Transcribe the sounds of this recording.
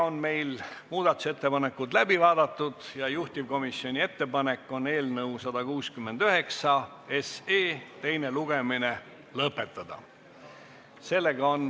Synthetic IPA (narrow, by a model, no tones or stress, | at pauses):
onme̞jlmuːd̪̥ɑt̪ˑu̥se̞t̪ːe̞pɑne̞kːud̪læbivɑːd̪̥ɑt̪ːud̪̥jɑjuht̪ʲivko̞misio̞nʲie̞t̪ːe̞pɑne̞kːˑo̞ne̞ːlnɤwsɑd̪̥ɑkuːskymːe̞nd̪̥yɦe̞ksɑ | e̞seːt̪e̞jne̞luɡ̥e̞mine | lɤpːe̞t̪ːˑɑd̪̥ɑ̰ | se̞lːe̞ɡ̥ɑon